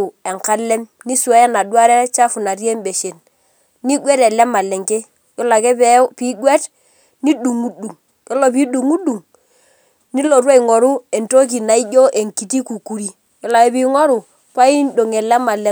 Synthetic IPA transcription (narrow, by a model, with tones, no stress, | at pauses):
u˨ɛ˨ŋka˦lɛ˦m | ni˦swɛ˦jɛ˦na˨dwa˦ɾɛ˦t͡ʃa˦fu˨na˨ɾje˦mbe˨ʃe˨n | ni˦ɡwɛ˦tɛ˨lɛ˦ma˨lɛ˨ŋke˦ | jɔ˦la˨kɛ˦pɛ˦pi˦ɡwɛ˦t | ni˦du˨ŋu˦du˨ŋ | jɔ˦lɔ˨p̬i˦ɗu˨ŋu˦du˨ŋ | ni˦lo˨ɾwa˦i˨ŋɔ˨ɾu˦e˨nto˦k̬i˨na˨i˦jo˦ʔe˨ŋki˨t̬i˦ku˨ku˨ɾi˦ | jɔ˦la˨ke˦pi˦ŋɔ˦ɾu˨ | pa˦i˦n˦do˨ŋɛ˨lɛ˦ma˨lɛ˨